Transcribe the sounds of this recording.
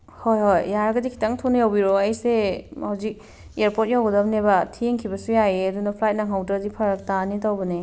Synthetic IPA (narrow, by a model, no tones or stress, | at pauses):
hojhojːaɾɐɡɐdikʰi̥taŋtʰonjawbiɾoɐjsehawzik̚ | eɾpot̚jawɡɐdɐp̚nebɐtʰieŋkʰibɐsujajeɐdunɐpʰlajt̚naŋawtɐdipʰɐɾɐk̚tanitawbɐne